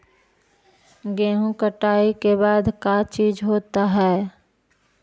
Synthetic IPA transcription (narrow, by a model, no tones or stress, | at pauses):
ɡeːɦũkəʈaːikebaːd̪kat͡ʃiːd͡ʒɦoːt̪aɦɛː